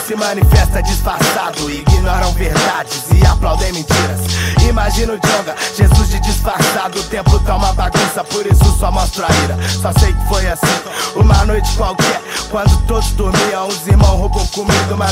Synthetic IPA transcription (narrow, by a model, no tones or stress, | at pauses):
sɪmɐ̃nifɛst̪ɐd͡ʒisfaɾsad̪ʊɪɡiɲɔɾɐ̃w̃veɾd̪ad͡ʒɪzɪaplawd̪ẽj̃mẽt͡ʃiɾɐsimaʒĩnʊd͡ʒõɡɐʒezuzd͡ʒɪd͡ʒisfaɾsad̪ʊʊt̪ẽmpʊt̪ãumɐbaɡɐ̃sɐpoɾisʊsɐmɔst̪ɾaiɾɐsɔsejkɪ̥fojasĩumɐnojt͡ʃɪ̥kwawkɪɛkwɐ̃nd̪ʊt̪od̪ʊzd̪oɾmiɐ̃ũd͡ʒɪziɾmɐ̃w̃ɦobowkõmid̪ʊma